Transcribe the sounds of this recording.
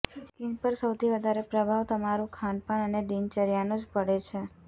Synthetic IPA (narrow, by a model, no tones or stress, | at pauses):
skinpəɾsəwt̪ʰiʋəd̪ʱaɾepɾəbʱaʋt̪əmaɾũkʰanpəɳəneɖint͡ʃəɾjanod͡ʒpəɽet͡ʃʰe